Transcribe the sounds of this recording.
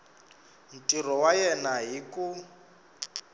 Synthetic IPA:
n̩tʼirɔwajɛnaɦiku

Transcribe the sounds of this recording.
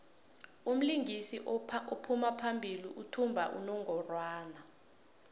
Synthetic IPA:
um̩liŋɡisiʔopʰumapʰambʱiliʔutʰumbʱa̰ʔṵnɔŋɡʱɔrwaaːna

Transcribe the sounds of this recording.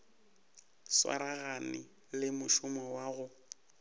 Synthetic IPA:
swa̰ɾaɣanɪ | lɪmʊʃʊmɔwaɣʊ

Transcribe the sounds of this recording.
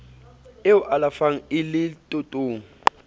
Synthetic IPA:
euʔalafaŋ̩ɪlɪtʼutʼuːŋ̩

